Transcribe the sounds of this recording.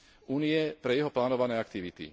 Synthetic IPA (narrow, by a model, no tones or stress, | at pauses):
uːniɛpɾɛjɛɦɔplaːnɔʋanɛːakt̪iʋit̪ḭ